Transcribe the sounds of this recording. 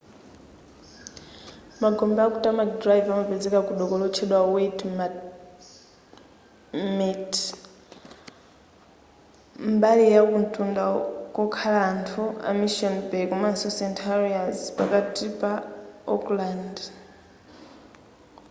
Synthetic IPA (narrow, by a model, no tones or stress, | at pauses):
maɡʱɔmbɛakutamakdɾaivamapɛd͡zɛkakuɗɔkɔlɔt͡ʃʰɛɗwawetma | mɛt | mbalijakuntʼundakɔkʰalaːntʰua̰miʃɔnpɛkɔmansɔsɛntʰaɾiazpakatipaɔkland